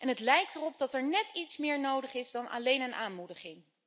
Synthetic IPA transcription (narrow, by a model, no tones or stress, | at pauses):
ʔɛnɦətlɛjk̚tərɔp̚dɑtɛɹnɛtitsmɪːɹnowdəχɪzdɑnʔa̰lejnənʔaːnmudəχɪŋ